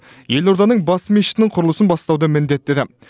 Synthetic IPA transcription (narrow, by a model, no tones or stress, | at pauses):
je̞loɾd̪ɑnəɴbɑsmiʃɪ̥t̪nɪŋɴqʰʊɾəlˠəsənbɑst̪ɑwd̪əmɪnd̪e̞t̪ːed̪ɪ